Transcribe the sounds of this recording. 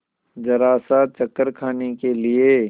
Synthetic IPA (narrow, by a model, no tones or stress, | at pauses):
d͡ʒɐɾaːsaːt͡ʃɐkːəɾkʰaːnekelie